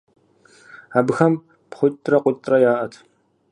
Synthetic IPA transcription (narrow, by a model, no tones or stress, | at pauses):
abɨxɐm | pχʷʊtʼrɐqʷʊtʼrɐjaːʔɐtʰ